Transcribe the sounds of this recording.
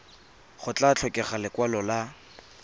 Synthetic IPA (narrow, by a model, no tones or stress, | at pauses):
χʊt͡ɬat͡ɬʰɔkʼɪχalɪkwalɔla